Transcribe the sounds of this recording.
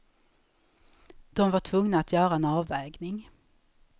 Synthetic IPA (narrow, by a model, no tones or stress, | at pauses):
d̪̥ɔmvaʈʰvɵŋnaːt̪ʰjœːɾaɛnɑːvɛːɡnɪŋ